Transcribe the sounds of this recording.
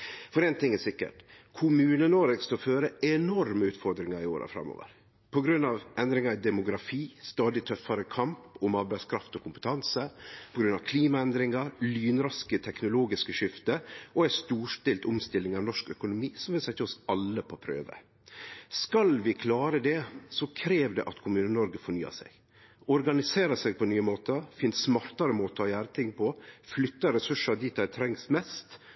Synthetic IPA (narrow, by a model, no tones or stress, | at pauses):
fɔɾɛːnt̪ʰɪŋæsɪkːə̰ʈkʰʊmʉːnənoɾəɡskɑføːɾəɛnɔɾməʉːt̪fɔɾd̪ɾɪŋɑɾɪoːɾʔə̰fɾɑ̰mːo̰ːʋə̰ɾ | pʰɔɡɾʉnːɑʋʔɛnd̪ɾɪŋɑɾɪd̪ɛmʊɡɾɑfiːst̪ɑːd̪ɪt̪ʰœfɑɾəkʰɑmpʊmɑːɾbæɪskʰɾɑft̪ɔkʰʊmpə̥t̪ʰɑnsəpʰɔɡɾʉnːɑʋkʰliːmɑɛnd̪ɾɪŋɑɾlyːnɾɑskət̪ʰɛknʊloːɡɪskəʂɪft̪əʔɔæst̪uːʂt̪ɪlt̪ʊmst̪ɪlːɪŋɑʋnɔʂkœkʊnʊmiːsɔmʋɪlsɛɪt̪ʰɪɔsɑlːəpʰɔpʰɾø̰ːʋə̰ | skɑlʋɪkʰlɑːɾəd̪ɛsɔkʰɾeːʋd̪ɛ̰ʔɑt̪kʰʊmʉːnənɔɾɡəfɔɳyːɑ̰sɛ̰ɡ | ɔɾɡɑnɪseːɾɑsɛɡ̚pʰɔnyːəmoːt̪əfɪnssmɑɾt̪ɑɾəmoːt̪əɔjæːɾət̪ʰɪŋːpʰɔflʏt̪ːɑɾɛsʉʂɑɾd̪it̪æt̪ʰɾɛŋsmɛst̪